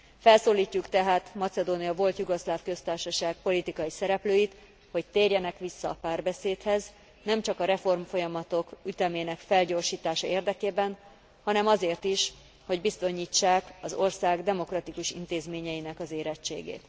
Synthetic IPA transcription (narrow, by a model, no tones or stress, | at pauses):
fɛlsoːliːcːukt̪ɛɦaːt̪mɒt̪sɛd̪oːnijɒvo̞lt̪juɡoʃlaːfkø̞st̪aːrʃɒʃaːɡ̚po̞lit̪ikɒjisɛɾɛpløːjit̪ | ho̞c̚t̪eːrjɛnɛkʋisːɒːpaːrbɛseːt̪hɛz | nɛmt͡ʃɒkɒɾɛfo̞rmfo̞jɒmɒt̪o̞kyt̪ɛmeːnɛkfɛlɟoːrʃiːt̪aːʃɒeːrd̪ɛkeːbɛn | hɒnɛmɒzeːrt̪iʃ | ho̞ɟbist̪o̞ɲiːt͡ʃːaːkɒzo̞rsaːɡd̪ɛmo̞krɒt̪ikuʃḭnt̪eːzmeːɲɛjinɛkɒzeːɾɛt͡ʃːḛːɡḛːt̪